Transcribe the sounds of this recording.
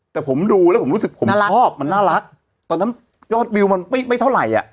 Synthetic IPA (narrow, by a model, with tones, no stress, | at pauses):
t̪ɛː˨˩pʰo˩˦mduː˧lɛː˦˥pʰo˩˦mɾu˦˥sɯ˨˩k̚pʰo˨˦mʰɔː˥˩p̚ma˧nːaː˥˩ɾa˦˥k̚ | t̪ɔː˧nːa˦˥n | jɔː˥˩t̪̚bi˧wma˧nma˥˩jma˥˩jt̪ʰa˥˩ɾa˨˩jʔa̰˨˩ʔ